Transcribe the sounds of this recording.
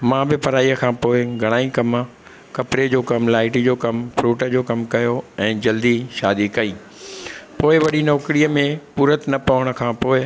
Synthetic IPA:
mãbɪpɐɾaːiːəkʰãːpoːɪɡʱɐɽ̃aːikɐm | kɐpɾed͡ʑoːkɐmlaːɪʈid͡ʑoːkɐmpʰɾuːʈəd͡ʑoːkɐmkɐjoɛ̃ːd͡ʑɐld̪iʃaːd̪ikɐiː | poːɪʋɐɗinɔːkɾijəmẽpuːɾət̪nɐpɐʋəɽ̃̆kʰãːpoːɪ

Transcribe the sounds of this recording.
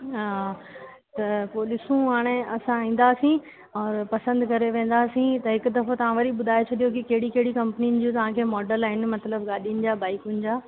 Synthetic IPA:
t̪ɐpoːlɪsũɦaːɽ̃ẽɐsãĩːn̆d̪aːsĩ | ɔːɾpɐsə̃nd̪kɐɾeʋẽːn̆d̪aːsĩt̪ɐɦɪkʊ̆d̪ɐfot̪ɐʋ̤ãʋɐɾiɓʊd̪ʱaːet͡ɕʰɐɗijokikɐɦɪɽikɐɦɪɽikɐ̃mpniʊnɪ̆d͡ʑõt̪ɐʋ̤ãkʰeːmɔːɖəlaːɦɪnɪ̆mɐt̪ləbɠaːɗiʊnɪ̆d͡ʑaːbaːɪkʊnɪ̆d͡ʑaː

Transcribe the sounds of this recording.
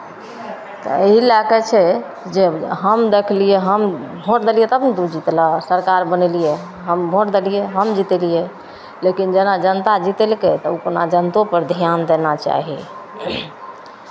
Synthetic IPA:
t̪ɔ̰eɦilaɡɛt͡ʃʰɛ | d͡ʒeɦəmd̪ekʰliɛɦəmbʱoɾd̪elijɛt̪əbnd̪ud͡ʒit̪lasəɾkaɾbənɛlijɛ | ɦəmbʱoɾd̪elijɛɦəmd͡ʒit̪elijɛ | lekind͡ʒɛnad͡ʒənt̪ad͡ʒit̪elket̪ɔukona̰d͡ʒənt̪opəɾd̪ʱijand̪enat͡ʃa̰ɦḭ

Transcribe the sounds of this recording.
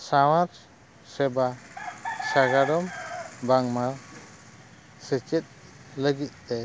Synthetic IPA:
sawaɾ | sɛba | saɡaɾɔmbaŋma | sət͡ʃɛt̪̚ | ləɡit̪̚t̪ɛ

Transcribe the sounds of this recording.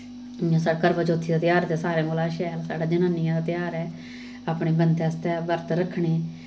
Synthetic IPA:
ãːsaːkəɾʋət͡ʃoːt̪ʰːiːd̪aːt̪jaːɾt̪eːsaːɾẽːɡolaːʃɛːlsaːɽaːd͡ʒənãːnɪjãːd̪aːt̪ɪjaːɾɛː | aːpɳeːbənd̪ɛst̪ɛːbəɾt̪ɾəkʰɳeː

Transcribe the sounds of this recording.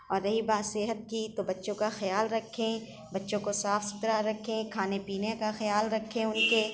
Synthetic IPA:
ɔːɾjɐɦibaːsɪɦət̪̚kit̪obɐtːʃõkaxɐjaːlɾɐkʰːẽ | bɐtːʃõkosaːfsʊ̥t̪ɾaɾɐkʰẽkʰaːnepiːnekaxɐjaːlɾɐkʰːẽʊnke

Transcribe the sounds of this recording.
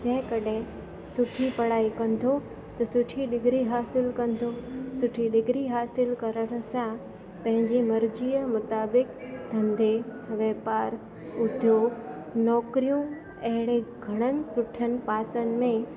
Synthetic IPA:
d͡ʑɐ̃ɦɪ̃kɐɗɦɪ̃ | sʊʈʰipɐɽaːikɐ̃nd̪ʱo | t̪ɐsʊʈʰiɗɪɡʱɾiɦaːsɪlkɐ̃n̆d̪ʱosʊʈʰiɗɪɡʱɾiɦaːsɪlkɐɾəɽ̃sã | pɐ̃ɦɪ̃ɲd͡ʑimɐɾd͡ʑiːəmʊt̪aːbɪkt̪ʰɐ̃nd̪eʋɛːpaːɾ | ʊd̪ʱjoːɡ | nɔːkɾijũ | ɐɦɪɽ̃eɡʱɐɽ̃ənɪ̆sʊʈʰənɪ̆paːsənɪ̆mẽ

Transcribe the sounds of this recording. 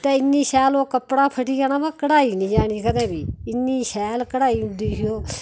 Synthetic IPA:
t̪eːɪnːiːʃɛːloːkəpɽaːpʰəʈiːaːnaːʋãːkəɽaːiːnĩːd͡ʒaːɽ̃iːkəd̪ɛ̃ːbiːɪnːiːʃɛːlkəɽaːiːɦʊ̃nd̪iːɦɪjoː

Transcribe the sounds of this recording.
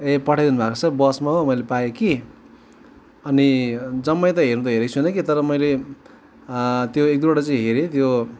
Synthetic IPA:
epʌʈʰajd̪inubʱakot͡sʰʌbʌsmaɦomʌjlepajeki | ʌnid͡zʌmːʌjt̪ʌɦernũt̪ʌɦeɾʌjt͡sʰunʌkit̪ʌɾʌmʌjle | t̪joek̚d̪ubaʈʌt͡sʌĩɦeɾet̪jo

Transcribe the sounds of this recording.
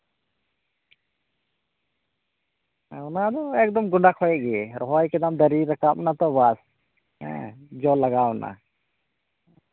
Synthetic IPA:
ɔnad̪ɔɛk̚d̪ɔmɡɔɳɖakʰhɔjɛʔɡɛɛɾɔɦɔjkɛd̪amd̪əɾiɾakaʔɔnat̪ɔbas | ɛ̰̃d͡ʒɔlaɡaɔna̰

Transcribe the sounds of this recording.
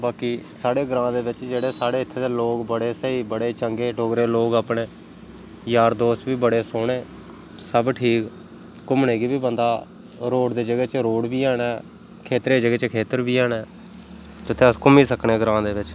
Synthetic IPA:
baːkiːsaːɽeːɡɾãːd̪eːʋɪt͡ʃd͡ʒeːɽeːsaːɽeːɪt̪ʰːeːd̪eːloːkbəɽeːsəiːbəɽeːt͡ʃəŋɡeːʈoːɡɾeːloːɡaːpɳeː | jaːɾd̪oːst͡ʃʋiːbəɽeːsoːɽeː | səbʈʰiːk | kʊmɳeːɡiːbiːbənd̪aː | ɾoːɽd̪eːd͡ʒəɡeːt͡ʃɾoːɽbiːaːnɛː | kʰeːt̪ɾeːd͡ʒəɡeːt͡ʃkʰeːt̪əɾbiːaːɳɛː | d͡ʒʊt̪ʰːẽːəskʊmiːsəkɳeːɡɾãːd̪eːʋɪt͡ʃ

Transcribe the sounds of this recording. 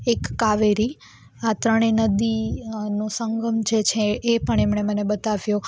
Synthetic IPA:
ekːaʋeɾi | at̪ɾəɽ̃enəd̪inũsəŋɡʱəmd͡ʒet͡ʃʰeːpəɳ̃emɳ̃emənebət̪aʋjũ

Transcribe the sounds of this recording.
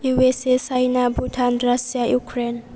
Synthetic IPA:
juwesesajnabʱudʱanrasijajukʰɾen

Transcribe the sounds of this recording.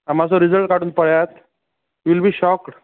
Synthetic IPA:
am̤asɔɾid͡zəlʈ̚kaɽuːnpəɭjat̪ | ʋilbiːɕɔkʈ

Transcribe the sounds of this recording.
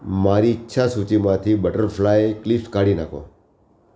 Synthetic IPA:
maɾiːtːʃʰasut͡ʃimãt̪ʰibəʈəɾflajeklifkaɽinakʰõ̰

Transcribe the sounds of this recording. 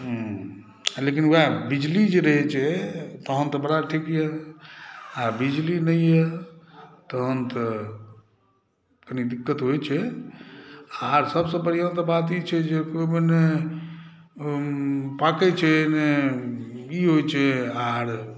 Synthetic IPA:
ɦ | lekinabid͡ʒlid͡ʒeɾəɦɛt͡ʃʰɛt̪əɦənt̪əbəɽaʈʰikje | abid͡ʒlinəjje | t̪əɦənt̪ə | kənid̪ikːət̪ɦojt͡ʃʰɛ | aɾsəbsə̃bəɽiənt̪əbat̪̬it͡ʃʰɛd͡ʒekomene | pakɛt͡ʃʰɛne | iɦojt͡ʃʰɛaɾ

